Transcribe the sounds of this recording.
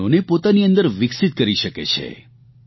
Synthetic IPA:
onepot̪aniə̃nd̪əɾʋɪksit̪̚kəɾiʃəkḛt͡ʃʰḛ

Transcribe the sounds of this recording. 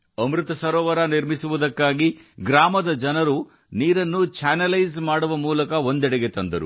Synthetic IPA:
ɐmɾut̪ɐsɐɾɔːʋɐɾɐniɾmisuʋud̪ɐkːaːɡiɡɾaːmɐd̪ɐd͡ʒɐnɐɾu | niːɾɐnːut͡ʃaːnɐlɐjzmaːɽuʋɐmuːlɐkɐo̞nd̪ɛɽɐɡe̞t̪ɐnd̪ɐɾṵ

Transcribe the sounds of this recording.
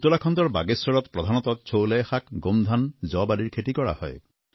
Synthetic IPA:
t̪ulakʰɔnd̪ɔɾbaɡesɔɾɔt̪pɾɔd̪ʱanɔt̪ɔt͡ʃʰowlejxakɡomd̪ʱand͡ʒɔbaliɾkʰeʈikɔɽa̰hɔ̰j

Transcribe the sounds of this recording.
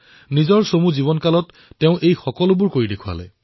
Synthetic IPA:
nizɔɹsomuziβɔnkalɔtː | ɛʊ̃ʔejxɔkɔlʊbʊɹkoɹidekʰua̰lɛ̰

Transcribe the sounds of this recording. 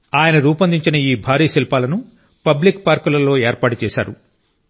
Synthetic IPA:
aːjɐnɐɾuːpɐnd̪iɲt͡ʃinɐiːbʱaːɾiːɐsilpaːlɐnu | pɐblikpaːɾkulɐlo̞ːeːɾpaːʈut͡ʃɛːʃa̰ːɾṵ

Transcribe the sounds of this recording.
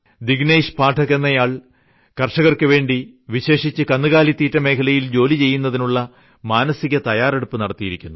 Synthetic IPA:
d̪iɡneːʂpaːʈʰɐɣenːɐjaːɭ | kɐrʂɐɣɐrkɨʋe̞ːɳɖi | ʋiɕe̞ːʂit͡ɕːɨkɐnːɨɣaːlit̪ːiːtːɐme̞ːkʰɐlɐjild͡ʑo̞ːlit͡ɕe̞jːunːɐðinuɭːɐ | maːnɐsiɣɐt̪ɐjaːre̞ɽupːɨnɐɽɐt̪ːijiɾikʲːunːu

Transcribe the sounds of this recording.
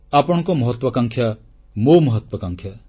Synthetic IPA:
apɔɽ̃kɔmɔɦət̪wɔkãŋkʰja | moməɦət̪wəkãŋkʰja

